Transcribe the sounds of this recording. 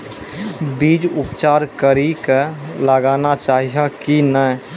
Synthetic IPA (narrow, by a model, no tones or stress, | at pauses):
biːd͡ʒʊpt͡ʃaːɾkəɾikələɡaːnat͡ʃaːɦiakinə